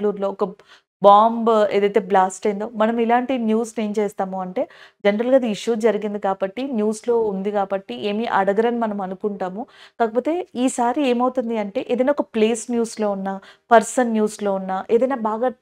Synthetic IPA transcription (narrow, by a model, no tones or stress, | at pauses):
luːɾlo̞ːɔkɐ | baːmbeːd̪ɐjt̪e̞ːblaːsʈɐjnd̪oːmɐnɐmilaːɳʈinjuːsne̞ːmt͡ʃeːst̪aːmuɐɳʈe̞ːd͡ʒenɐɾɐlɡaːid̪iiʂud͡ʒɐɾiɡind̪ikaːbɐʈːinjuːslo̞ːund̪ikaːbɐʈːiʔeːmiʔɐ̰ɽɐɡɐɾɐnimɐnɐmɐnukuɳʈaːmukaːkɐpoːt̪e̞ːiːsaːɾieːmɐwut̪und̪iɐɳʈe̞ːʔeːd̪ɐjnaːɔkɐpleːsnjuːslo̞ːunːaːpɐɾsɐnːjuːslo̞ːunːaːʔeːd̪ɐjnaːbaːɡaː